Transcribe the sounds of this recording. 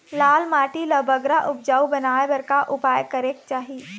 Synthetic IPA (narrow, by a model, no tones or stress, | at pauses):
laːlmaːʈilɐbʱəɡɾaʔʊp̚d͡ʒaːubɐnaːebɐɾkaʔʊpaːjkɐɾeːk̚t͡ʃaːɦie